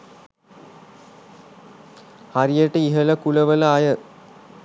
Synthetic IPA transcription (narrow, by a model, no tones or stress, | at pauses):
haɾijəʈəiɦələkuləʋələajə